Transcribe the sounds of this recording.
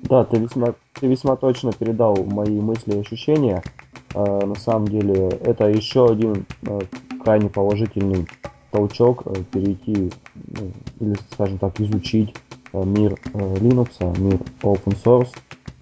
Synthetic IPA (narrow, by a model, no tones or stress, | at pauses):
d̪at̪ɨvʲɪsʲma | t̪ɨvʲɪsʲmat̪o̞t͡ɕnəpʲɪɾʲɪd̪alˠmɐimɨsʲlʲɪɐɕːʊɕːenʲɪjəənɐsaməmdʲelʲɪɛt̪əjɪɕːoɐdʲin | kɾajnʲɪpəlˠɐʐɨtʲɪlʲnɨjt̪ɐlˠt͡ɕo̞kəpʲɪɾʲɪjtʲi | ilʲɪskaʐɨmt̪akɪzʊt͡ɕitʲmʲirlʲinʊksəmʲiropənsors